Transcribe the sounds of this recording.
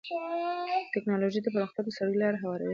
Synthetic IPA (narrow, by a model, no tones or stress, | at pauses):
ʈɪknɑloʒid̪əpəɾɑxt̪jad̪əsaɽəjlɑɾeɦawɑɾa̰